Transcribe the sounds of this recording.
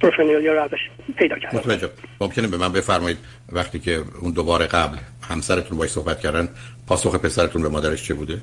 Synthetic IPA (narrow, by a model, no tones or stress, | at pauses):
ɾofenioljɒɾæveʃ | pʰejd̪ɒːkʰæɾmot̪væd͡ʒebmomcʰe̞nebe̞mænbe̞fæɾmɒːjiːd̪̚ | væxt̪ʰiːcʰe̞und̪obɒːɾeɡæblhæmsæɾet̪ʰunbɒːʃso̞hbæt̪̚cʰæɾd̪ænd̪ | pʰɒːso̞xepʰe̞sæɾet̪unbemɒːd̪æɾeʃt͡ʃʰebuːd̪e